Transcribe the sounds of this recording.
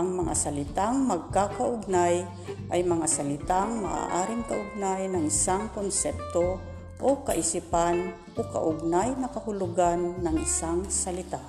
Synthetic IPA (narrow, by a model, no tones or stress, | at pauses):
ʔɐŋmɐŋa̰sɐlɪt̪aŋmɐɡ̚kakaʔʊɡ̚naj | ʔajmɐŋasɐlɪt̪aŋma̰ʔa̰ʔaːɾɪŋkaʔʊɡ̚najnɐŋɪsaŋkonsɛp̚t̪o | ʔokaʔɪsipan | ʔoka̰ʔʊɡ̚najnɐkɐhʊlʊɡanːɐŋɪsaŋsɐlɪt̪a